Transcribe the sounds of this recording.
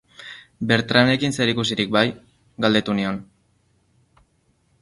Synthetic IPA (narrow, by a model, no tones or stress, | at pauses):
be̞ɾt̪ɾane̞kinse̞ɾikus̬iɾik̚baj | ɡald̪e̞t̪unio̞n